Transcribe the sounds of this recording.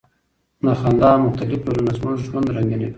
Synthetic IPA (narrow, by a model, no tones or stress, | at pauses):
naxand̪ɑmʊxt̪alɪfolunasmozʒwand̪ɾaŋɡine